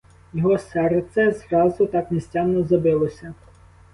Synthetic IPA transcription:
jɔɦɔsɛrt̪sɛzrɑzʊt̪ɑkmʲisʲtʲɑnːɔzɐbɪlˠɔsʲɐ

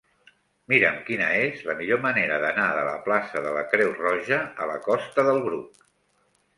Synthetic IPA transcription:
miɾəmkinəezləmiʎoməneɾəðənaðələ̰plasəðələkɾɛwrɔʒəələkɔst̪əðəlˠɣɾuk̚

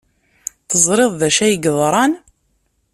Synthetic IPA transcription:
θəzˤɾeðˤðæʃæjɡðˤɾˤɑn

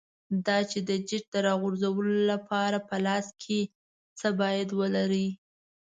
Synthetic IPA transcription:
d̪ɑt͡ʃed̪əd͡ʒɪʈ̚d̪əɾɑɣʊɾzawəlolapʰɑɾapəlɑskʰe | t͡səbɑjad̪wəlaɾi

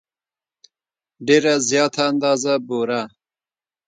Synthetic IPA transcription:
ɖeɾazjɑːt̪ʰaːnd̪ɑːzaboɾa

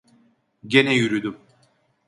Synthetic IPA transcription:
ɟenɛjyɾyd̪ym

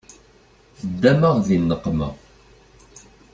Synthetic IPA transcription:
θəd̪ːæməʁðinːəqːmə̰ʁ

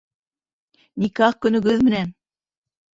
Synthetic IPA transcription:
nikɑq̚kɵ̆nɵ̆ɡɵðmɘ̆næn

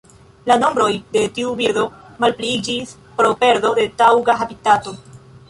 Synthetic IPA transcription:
lano̞mbɾo̞jde̞tiubiɾdo̞malpliid͡ʒis | pɾo̞pe̞ɾdo̞de̞tawɡaxabitato̞

